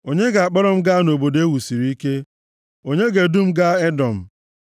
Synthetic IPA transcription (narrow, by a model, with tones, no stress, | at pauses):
o˨ɲe˦ɡa˨a˨k͡pɔ˦ɾɔ˦m̩˦ɡa˦no˨bo˨de˦wu˨si˨ɾi˦i˦ke˦ | o˦ɲe˦ɡe˨du˦m̩˦ɡa˦e˦dɔ˨m̩˨